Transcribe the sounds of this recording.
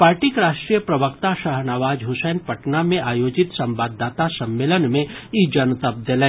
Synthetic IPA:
paːɾʈikɾaːʃʈɾijəpɾɐbəkt̪aʃəɦnaʋaːd͡ʒɦʊsɛːnpəʈnamẽʔaːjoːd͡ʒɪt̪sɐ̃mbaːd̪ːaːt̪asɐ̃mːeːlənmẽid͡ʒɐnt̪əp̚d̪elɛ

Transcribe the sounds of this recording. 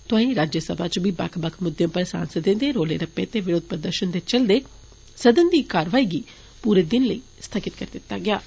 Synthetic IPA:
t̪ʊãːĩːɾaːd͡ʒjəsəbaːt͡ʃbiːba̰ːkʰbəkʰmʊd̪jõːpəɾsa̰ːnsəd̪ẽːnd̪eːɾoːlḛːɾəpːḛ̃ːt̪eːʋɪɾoːd̪̚pəɾd̪əɾʃənd̪eːt͡ʃəld̪eː | səd̪ənd̪iːkaːɾʋaːiːɡiː | puːɾeːd̪ɪnləiː | st̪ʰəkɪt̪̚kəɾd̪ɪt̪ːaːɡɪaː

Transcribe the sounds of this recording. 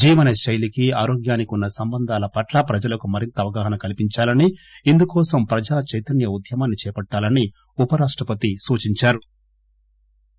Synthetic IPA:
d͡ʒiːʋɐnɐʃɐjlikiaːɾoːɡjaːnikunːɐsɐmbɐnd̪ʱaːlɐpɐʈlɐpɾɐd͡ʒɐlɐkumɐɾint̪ɐːʋɐɡaːɦɐnɐkɐlipiɲt͡ʃaːlɐniind̪ukɔːsɐmpɾɐd͡ʒaːt͡ʃɐjt̪ɐnjɐud̪ʱjɐmaːnːit͡ʃɛːpɐʈːaːlɐni | upɐɾaːʂʈɾɐpɐt̪isuːt͡ʃiɲt͡ʃaːɾu

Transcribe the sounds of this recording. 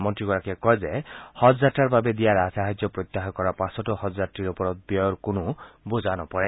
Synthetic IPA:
mɔnt̪ɾiɡɔɾakekɔɦezehɔzaʈaɾbabed̪iaɾasaɦad͡ʒjɔpɾot̪ːaɦɔkɔɾapasɔʈɔhɔzaʈːiɾopɔɾɔt̪̚bjɔɔɾkonubod͡ʒanɔpɔɾe

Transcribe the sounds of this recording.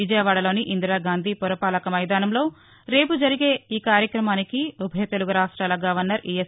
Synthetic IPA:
id͡ʒɐjɐʋaːɽɐlo̞ːniʔind̪ɾaːɡaːnd̪ʱiːpɔɾɐpaːlɐkɐmɐjd̪aːnɐmlo̞ː | ɾe̞ːpud͡ʒɐɾiɡeːiːkaːɾjɐkɾɐmaːnikiubʱɐjɐt̪e̞luɡuɾaːʂʈɾaːlɐɡaːʋɐnːɐɾijes

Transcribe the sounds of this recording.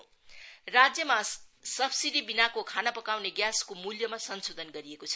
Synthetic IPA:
rad͡zjʌmasʌbsid̪ibinakokʰanapʌkawneɡjaskomuljʌmasʌnsod̪ʱʌnɡʌɾiekot͡sʰʌ̥

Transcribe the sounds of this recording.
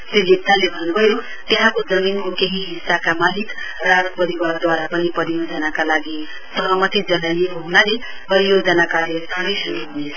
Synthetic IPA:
selit̪t̪alebʱʌnːubʱʌjo | t̪eɦãkod͡zʌminkokeɦiɦisːakamalik | raɽpʌɾiward̪waɾapʌnipʌɾijod͡zʌnakalaɡi | sʌɦʌmʌt̪id͡zʌnajneɦoɦunale | pʌɾijod͡zʌnakalesʰaɽʌsuɾuɦunet͡sʰʌ̥

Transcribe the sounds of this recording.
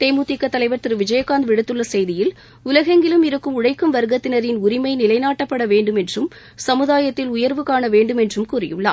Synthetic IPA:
t̪eːmuːt̪ɪkːɐt̪ːɐlɐɪʋɐɾt̪ɪɾɯʋɪd͡ʒɐjɐkːaːnd̪ʋɪɽɯt̪ːɯɭːɐsɛjðɪjɪl | ʊlɐɣɐŋɡɪlɯmɪɾɯkːɯmʊɻɐɪkːɯmʋɐɾɯɣɐt̪ːɪnɐɾɪnʊɾɪmɐɪnɪlɐɪnaːʈːɐpːɐɽɐʋeːɳɖɯmɛndrɯm | sɐmɯðaːjɐt̪ːɪlʊjɐɾʋɯkaːɳɐʋeːɳɖɯmɛndrɯmkuːrɪ̰jɯ̰ɭːa̰ː

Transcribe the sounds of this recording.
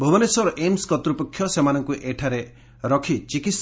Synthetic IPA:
bʱobɔnesɔɾɔʔemskɔt̪ɾupɔkʰːjɔsemanɔŋkuʔeʈʰaɾe | ɾɔkʰit͡ʃikis

